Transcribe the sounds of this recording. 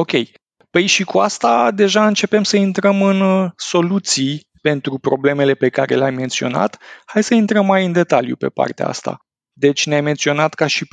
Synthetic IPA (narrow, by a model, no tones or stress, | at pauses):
o̞kʲe̞j | pəjʃikuast̪ad̪e̞ʒaɨnt͡ʃe̞pe̞msəint̪ɾəmɨnso̞lut̪sij | pe̞nt̪ɾupɾo̞ble̞me̞le̞pe̞kaɾe̞̰leajme̞nt̪sio̞̰na̰t̪hajsəint̪ɾəmːajɨnd̪e̞t̪aljṵpe̞̰pa̰rt̪ea̰a̰st̪a̰ | d̪e̞t͡ʃʲneajme̞nt̪sio̞nat̪kaʃi